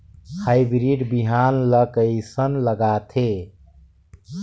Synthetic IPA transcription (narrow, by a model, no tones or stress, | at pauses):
hajbɾiɖbiɦanləkəɪsənləɡat̪ʰe